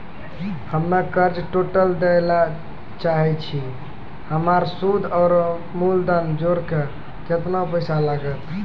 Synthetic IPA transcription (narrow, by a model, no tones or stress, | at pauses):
həmnakəɾd͡ʒʈoʈəld̪ela | t͡ʃaɦɛt͡ʃʰi | həmaɾsud̪ʱɔːɾ | muld̪and͡ʒoɾke | d͡ʒet̪napəɪsalaɡət̪